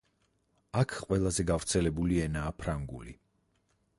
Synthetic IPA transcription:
akʰqʼwɛlˠazɛɡavɾt̪sʰɛlɛbuliɛnaːpʰɾaŋɡṵlḭ

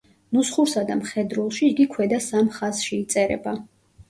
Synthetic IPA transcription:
nusχuɾsad̪amχɛd̪ɾulˠʃiːɡikʰwɛd̪asamχaz̥ʃiit̪sʼɛɾɛ̰ba

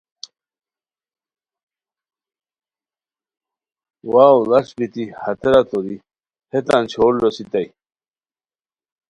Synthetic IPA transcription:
waːwlɐʂbit̪ihɐt̪eɾat̪oɾi | hʰet̪ant͡ɕʰoːllosit̪aj

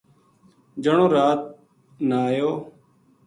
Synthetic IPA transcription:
d͡ʒəɳõːɾaːt̪̚ | naːjoː

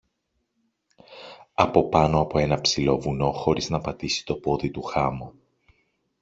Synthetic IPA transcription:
ɐpo̞pɐnoɐpo̞e̞nɐpsilo̞vuno̞xo̞ɾiznɐpɐt̪isi̥t̪o̞po̞ðit̪uxɐmo

